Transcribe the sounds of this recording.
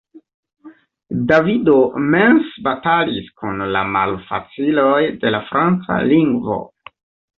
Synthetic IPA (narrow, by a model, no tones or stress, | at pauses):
davidome̞nsbataliskunla̰ma̰lfa̰t͡silojde̞lafɾant͡sa̰liŋɡvo̞̰